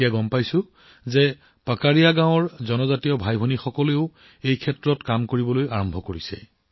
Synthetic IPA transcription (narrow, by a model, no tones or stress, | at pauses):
iaɡɔmpajsʊ̃ | zɛ | pakaɹijaɡãw̃ɔɹzɔnɔzatiɔbʱajbʱonixɔkɔleʊ | ejkʰɛtɹɔtkamkoɹibɔlojaɹɔmbʱɔkoɹisɛ̰